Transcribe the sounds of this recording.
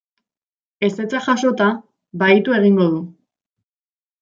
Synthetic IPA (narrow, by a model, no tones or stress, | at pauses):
e̞se̞t͡saxaʃo̞t̪a | βajt̪ue̞ɣ̞iŋɡo̞ðu